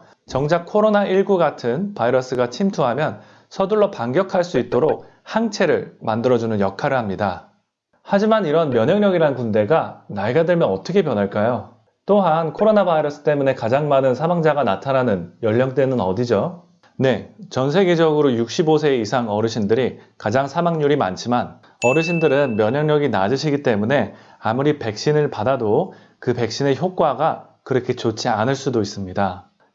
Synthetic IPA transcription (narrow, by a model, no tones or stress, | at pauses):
t͡ɕʌŋd͡ʑakʰoɾonaʔiɭɡuɡatʰɯnpaiɾʌs͈ɯɡat͡ɕʰimtʰuɦamjʌn | sʰʌduɭːʌpaŋɡjʌkʰaɭs͈uit̚t͈oɾok̚ | haŋt͡ɕʰe̞ɾɯ̰ɭmandɯɾʌd͡ʑunɯnjʌkʰaɾɯɭhamɲida | had͡ʑimaniɾʌnmjʌɲʌŋɲʌɡiɾanɯnkunde̞ɡanaiɡadweɭmjʌnʌt͈ʌkʰe̞pjʌnɦaɭk͈ajo | t͈oɦankʰoɾonabaiɾʌs͈ʰɯ̥t͈e̞mune̞kad͡ʑaŋmanɯnsʰamaŋd͡ʑaɡanatʰananɯnjʌʎːʌŋt͈we̞nɯnʌdid͡ʑo | ne̞t͡ɕʌnsʰe̞ɡe̞d͡ʑʌɡɯɾojuk̚ɕ͈ibosʰe̞isʰaŋʌɾɯɕʰindɯɾikad͡ʑaŋsʰamaŋɲuɾima̰nt͡ɕʰiman | ʌɾɯɕ̬ʰindɯɾɯnmjʌɲʌŋɲʌɡinad͡ʑɯɕʰiɡit͈e̞mune̞ | amuɾipe̞k̚ɕ͈inɯɭpadado | kɯpe̞k̚ɕ͈ine̞çjok̚k͈waɡa | kɯɾʌkʰe̞t͡ɕot͡ɕ͈ʰianɯɭs͈udois͈ɯmɲida